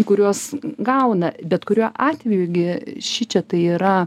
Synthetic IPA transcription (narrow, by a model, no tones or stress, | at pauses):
kʊɾʲuɔsɡɐʊnɐbʲɛt̪kʊɾʲuɔʔɑːt̪ʲʋʲɛjʊɡʲɪʃʲɪt͡ʃʲɛt̪ɐɪiːɾɐ